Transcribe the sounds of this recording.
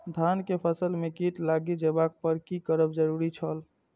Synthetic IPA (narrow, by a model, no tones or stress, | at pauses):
d̪ʱankepʰəsəlmekiʈlaɡid͡ʒebak̚pəɾkikəɾəbd͡ʒəɾuɾit͡ʃʰəl